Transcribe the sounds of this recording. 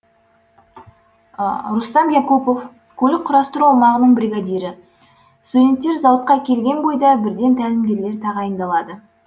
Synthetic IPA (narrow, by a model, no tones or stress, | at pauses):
ɾust̪ɑmjɑkupof | kʲʰɵlɪk̚ʲqʰʊɾɑst̪əɾuɑwmɑʁənəɴbɾiɡad̪ijɾɪ | st̪ud̪ʲe̞nt̪ːe̞ɾzɑwət̪̚qɑkʲʰe̞lɡʲe̞nbo̞jd̪ɑbɪɾd̪e̞nt̪ʰælɪmd̪ʲɡ̪ʲe̞ɾle̞ɾt̪ʰɑʁɑjənd̪ɑlˠɑd̪ə